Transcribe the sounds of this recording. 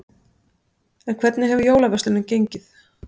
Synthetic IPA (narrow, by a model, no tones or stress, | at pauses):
ɛnkʰv̥ɛt̪nɪɦɛvʏjoːwlavœsʏnːʏmcejɲcɪθ